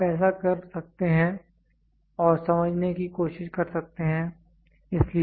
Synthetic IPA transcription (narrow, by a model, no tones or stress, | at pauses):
pɛːsakɐɾsɐk̚t̪eɦɛ̃ | ɔːɾsɐməd͡ʒʱnekikoːʃɪʃkɐɾsɐk̚t̪eɦɛ̃ | ɪsli